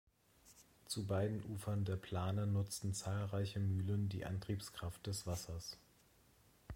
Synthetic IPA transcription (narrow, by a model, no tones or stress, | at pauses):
t͡subaɪdn̩ʔuːfɐndeːɐpʰl̥aːnənʊt͡stn̩t͡saːlʁaɪçəmyːləndḭːʔa̰ntʁ̥iːpskʁ̥aft̚d̥ɛsv̥asɐs